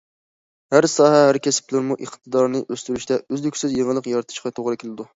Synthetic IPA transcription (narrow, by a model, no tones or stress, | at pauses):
hæɾsɑːɦɛɦæɾkʲʰesɪ̥plɪɾmuʔəqt̪ʰɨd̪ɑɾnɨʔøst̪yɾyʃt̪ɛøzlykʲsɪzjeŋɨlˠəqjɑɾɨt̪ʰɨ̥ʃqʰɑt̪ʰoʁɾɨkʲʰilˠɪd̪u